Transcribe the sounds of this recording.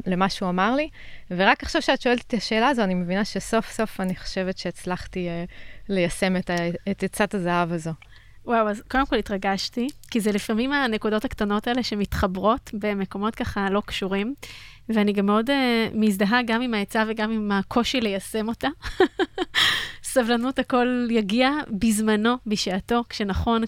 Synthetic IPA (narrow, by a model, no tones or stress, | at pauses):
lemaʃeuamaʁli | veʁakaχʃavʃeat̪ʃoelt̪e̥t̪aʃe̞ːlaːzoanimevinaʃeso̞fso̞faniχo̥ʃe̞vetʃeːt͡slaχtielejase̞metaetet͡satazaɦavazo | wawazko̞demko̞litʁaɡaʃtikizelifamimane̞kudo̞taktano̞taele̞ʃemitχabʁo̞tbe̞me̞ko̞mo̞tkaχalo̞kʃuʁim | veaniɡamːeo̞demisdaɦaɡamimaet͡saveɡamimakʰo̞ʃile̞jase̞mo̞ta | savlanuthako̞ljaɡiabizmano̞biʃeato̞kʃenaχo̞n